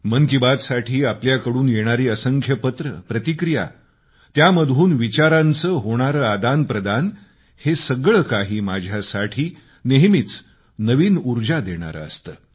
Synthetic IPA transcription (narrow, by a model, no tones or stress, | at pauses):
məŋkibat̪saʈʰiːapljakəɽuːnjeɽ̃aɾiːəsəŋkʰjəpət̪ɾəpɾət̪ikɾija̰ | t̪jaməd̪ʱuːnʋit͡ɕaɾant͡səːɦoɽ̃aɾəːad̪anpɾəd̪an | hesəɡɭəkaɦiːmad͡ʑʱjasaʈʰiː | neɦmit͡s | nəʋiːnuɾd͡ʑad̪eɽ̃a̰ɾə̰ə̰st̪əː